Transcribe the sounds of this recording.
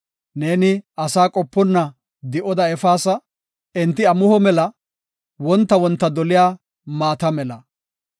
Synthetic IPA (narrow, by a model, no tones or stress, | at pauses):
ne̞ːnɪɐsaːkʼɔpːɔnːɐ | d̪ɪʔɔd̪ɐɛfaːsɐ | ɪnt̪ːɪɐmʊhɔmɛlɐ | wɔnt̪ːɐwɔnt̪ːɐd̪ɔlɪjaː | maːt̪ɐmɛlɐ